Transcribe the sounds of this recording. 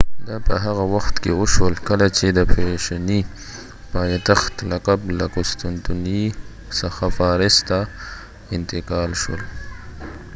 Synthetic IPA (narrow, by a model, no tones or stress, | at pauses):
d̪apəɦaɣawaxt̪kewoʃwəlkəlat͡ʃed̪əpʰeʃani | pɑːjt̪axt̪lakablakʊst̪ʊnt̪uni | saxafɑɾɪst̪a | ɪnt̪ɪkɑːlʃo̰l